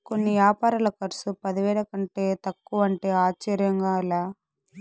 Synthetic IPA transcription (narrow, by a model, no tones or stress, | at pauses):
ko̞nːiʋjaːpaːɾɐlɐkɐɾsupɐd̪iʋɛːɭɐkɐɳʈe̞ːt̪ɐkːuʋɐɳʈe̞ːaːt͡ʃːɐɾjɐŋɡaːilaː